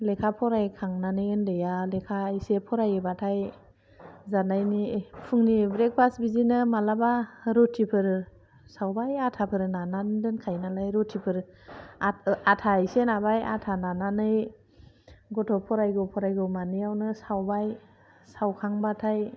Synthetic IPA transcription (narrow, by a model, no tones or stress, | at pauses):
lekʰapʰɔɾajkʰaŋnanɯjɯndejalekʰajsepʰɔɾajɯbatʰaj | zanajnipʰɯŋnibɾek̚pʰasbizinɯmalabaɾɔtʰipʰɯɾ | sawbajatʰapʰɯɾnanandɯnkʰajnalajɾɔtʰipʰɯɾaatʰajsenabaja̰tʰanananɯj | ɡɔtʰɔpʰɔɾajɡɔpʰɔɾajɡɔmanijawnɯsawbaj | sawkʰaŋbatʰaj